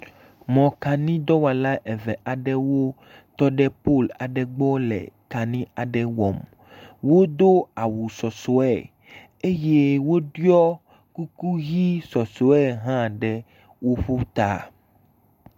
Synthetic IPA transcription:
mɔ̃˨ka˨nĩ˦d̪ɔ˦wa˨la˦ʔɛ˨vɛ˨ʔa˨ɖɛ˦wo˦ | t̪ɔ˦ɖɛ˦po˦˨la˨ɖɛ˨ɡ͡bɔ˦lɛ̰˨ka˨nĩ˦a˨ɖɛ˦wɔ˨m | wo˦d̪o˦a˨wu˨sɔ˨sɔ˨˦ɛ̰˨ | e˦je˦wo˦ɖu˦ɔ˦ | ku˦ku˦ɣi˦sɔ˨sɔ˨˦ɛ˦ɦã˦ɖɛ˦ | wo˦ɸu˦t̪a̰˨

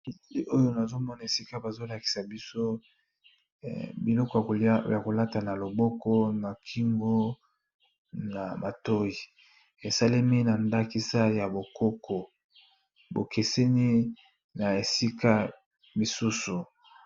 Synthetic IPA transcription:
i˦ʔo˦jo˦na˨zo˦mɔ˦na˨e˨si˦ka˦ba˨zo˦la˨ki̥˨sa˨bi˦so˦ | bi˨lɔ˦kɔ˦jja˨ko˨la˦ta˨na˨lo˨bɔ˦kɔ˦na˨kʰi˦ŋɡo˦ | na˨ma˨to˦i˨ | e˨sa˦le˦mi˦na˨nda˦ki˦sa˦ja˨bo˨kɔ˦kɔ˨ | bo˨ke˨se˦ni˦ | na˨e˨si˦ka˦ | mi˨su˦su˨

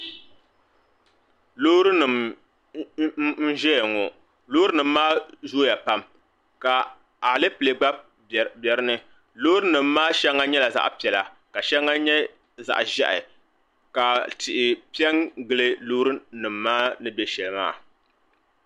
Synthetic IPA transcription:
loː˦ɾɨ˦nɨ˨m˦ | n̩˦ʒɛ˦jŋɔ˨ | lo˦ɾɨ˦nɨ˨mːaː˦zoː˦ja˨pa˦m | ka˨ | a˨lɨ˦pɨ˨le˨ɡ͡ba˦b̚ | bɛ˨ɾɨ˦nɨ˦ | loː˦ɾɨ˦nɨ˨mːaː˦ʃɛ˦ŋːa˦ɲɛ˦la˨za̰˦ʔpi˨ɛ˨la˨ | ka˨ʃɛ˦ŋːa˦ɲɛ˦ | za̰˨ʔʒɛ̰˦ʔɪ̰˨ | ka˨tɪ˨ʔɪ˨pi˦ɛ˦ŋɡɨ˦lɨ˦lo˦ɾɨ˦nɨ˨mːaː˦nɨ˦bɛ˦ʃɛ˨lɨ˨˦ma̰ː˦˨

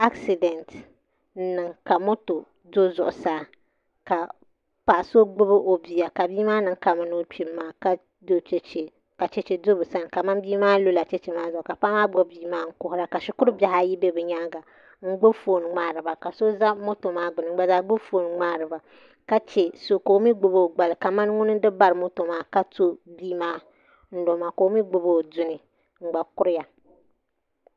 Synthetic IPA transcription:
a˦ksi˨dɛ˨nt̩˨˦ | nɨ˨ŋka˨mo˦to˨ | do˦zʊ̰˨ʔʊ˨saː˦ | ka˨ | pa˨ʔso˦ɡ͡bʊ˦bɨ˦ʔo˨bi˨a˨ka˨biː˦maː˦nɨ˨ŋ˦ka˨ma˨˦no˦pi˨˦mːaː˦ka˦ | do˦t͡ʃe˦t͡ʃe˨ | ka˨t͡ʃɛ˦t͡ʃe˨do˦bɨ˨sa˦n˨ka˨ma˦mbiː˦maː˦lo˦la˨t͡ʃɛ˦t͡ʃe˨maː˦zʊ˨ʔʊ˨ka˨pa˦maː˦ɡ͡bo˦biː˦maː˦ŋ̩˦kʊ˦˨hʊ˦ɾa˦ka˨ʃɪ˦kʊ˦ɾɨ˦ba˨ɦa˦ji˦be˦bɨ˨ɲa˦ɡa˨ | ŋ̩˦ɡ͡bo˦fo˨nɨ˨ŋ͡maː˨ɾɨ˨ba˨ka˨so˦za˦mo˦to˨maː˦ɡ͡bʊ˨nɨ˨ŋ̩˦ɡ͡ba˨za˦ɡ͡bʊ˦fo˨˦nɨ˨ŋ͡maː˦ɾɨ˨ba˨ | ka˦t͡ʃe˨so˨ko˨˦mi˦ɡ͡bʊ˨bo˦˨ɡ͡ba˨lɨ˨ka˨ma˦n˦ŋʊ˦nɨ˦dɨ˦ba˦˨ɾɨ˨mo˦to˨maː˦ka˦to˦biː˦maː˦ | n̩˦lo˨˦maː˨ko˨˦mi˦ɡ͡bo˨bo˦˨dʊ˦nɨ˨ | ŋ͡m̩˨ɡ͡ba˨kʊ˦ɾɪ˦ja˨

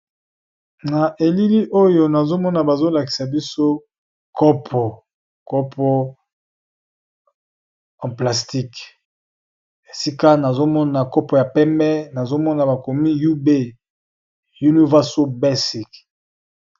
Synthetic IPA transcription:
na˨ʔe˨li˦li˦ʔo˦jo˨na˨zo˦mɔ˦na˨ba˨zo˦la˨ki̥˨sa˨bi˦so˦ | kɔ˦pʰɔ˨ | kɔ˦pʰɔ˦ | ɑ̃˨pla˨sti˦k | e˨si˦ka˦na˨zo˦mɔ˦na˨kɔ˦pɔ˨ja˨pɛ˦mbɛ˦na˨zo˦mɔ˦na˨ba˨ko˨mi˦ju˦be˦˨ | ju˦ni˦vɛ˦so˦bɛ˦si˨k

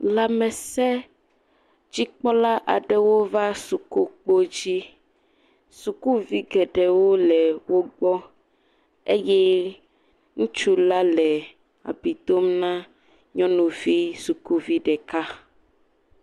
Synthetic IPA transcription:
la˨mɛ̃˨sɛ˦ | d͡ʑi˦k͡pɔ˦la˦ʔa˨ɖɛ˦wo˦va˦su˨ku˦k͡po˦d͡ʑi˦ | su˨ku˦vi˦ɡɛ˨ɖɛ˨wo˦lɛ˨wo˦ɡ͡bɔ˦ | e˦jɛ˦ | ŋũ˦t͡ʃu˦la˦lɛ˨ | a̰˨bi˨d̪o˦mnã˦ | ɲɔ̃˦nũ˨vi˦su˨ku˦vi˦ɖɛ˨ka˦

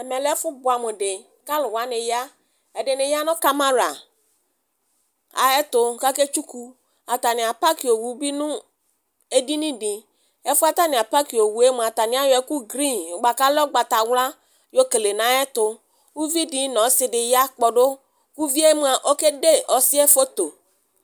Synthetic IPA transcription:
ɛ˨mɛ˨lɛ˦fʊ˦bʊ˨a˨mʊ˨dɪ˨ | ka˦lʊ˨wa˦nɪ˨ja˦ | ɛ˨dɪ˨nɪ˨ja˦nɔ˦ka˦ma˦ɾa˨ | a̰˨ɛ˦tʊ˨ka˦ke˦t͡ʃu˦ku˨ | a˨ta˨nɪ˨a˨pa˦ki˨o˨wu˨˦bi˦nʊ̃˦ | e˦di˦nĩ˦dɪ˨ | ɛ˦fʊ˦a˦t̪a˦nɪ˨a˨pa˦ki˨o˨wu˨˦e˦mu˨a˨t̪a˨nɪ˨˦a˦jɔ˨˦ɛ˦ku˦ɡɾi˦˨no˨ɡ͡ba˨ka˦lɔ˦ɡ͡ba˨t̪a˨wla˦ | jo˦ke˨le˨na˨˦ɛ˦t̪ʊ˨ | u˦vi˦di˨˦nɔ̃˨˦sɪ˨dɪ˨ja˦k͡pɔ˨dʊ˦ | ku˦vi˦e˦mu˨˦a˨ʔo˦ke˦de˦ɔ˨sɪ˦ɛ˦fo˦t̪o˨

